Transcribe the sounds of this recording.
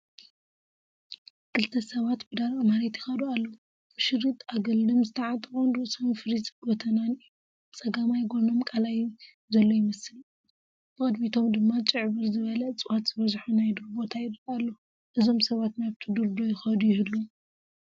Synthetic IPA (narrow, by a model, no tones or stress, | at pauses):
kʰɨlt̪ʰɐsɐβat̪bɨd̪aɾamaɾet̪jɪ̥xɐd̪ualːo | b̥ɨʃɨrːit̪aɡɨld̪ɨmzɨt̪ʰɐʕat̪ʼɨχʼunɾɨʔsomfɨɾit͡sʼɡot̪ʰɐnanɨjːu | t͡sʼɐɡamajɡo̞no̞mkʼalaj | zɐlːo̞jɪmɐsɨl | b̥ɨkʼɐd̪mit̪ʰo̞md̪ɨmːat͡ʃʼɨʕβɨɾzɨβɐlɐt͡sʼɨwat̪z̥ɨβɐzħunajd̪uɾbo̞t̪ʰajɪɾɨkʼalːo | ʔɨzo̞msɐβat̪naβt̪ʰid̪ɨɾd̪o̞jɪxɐd̪ujɪhɨlːu